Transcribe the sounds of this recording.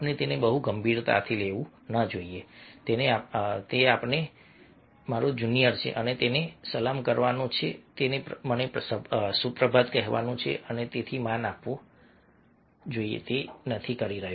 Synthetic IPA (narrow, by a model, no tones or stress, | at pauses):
pnet̪enebəɦuɡəmbʱiɾt̪a̰ət̪ʰileʋũ | nəd͡ʒoiet̪eneat̪eapɳe | maɾod͡ʒunijəɾt͡ʃʰḛʔənet̪enesəlamkəɾʋanõt͡ʃʰḛt̪enepmənepssupɾəbʱad̪kəɦʋa̰nõt͡ʃʰḛʔənet̪et̪ʰimãnapʋõ | d͡ʒoiḛt̪enət̪ʰikəɾiɾəɦju